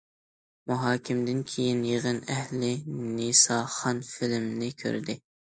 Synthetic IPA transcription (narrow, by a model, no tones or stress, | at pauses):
muɦɑːkʲʰɪmd̪ɪnkʲʰejinjeʁənɛhlɪnisɑːχɑnfɪlmnɪkʲʰø̰ɾd̪ɪ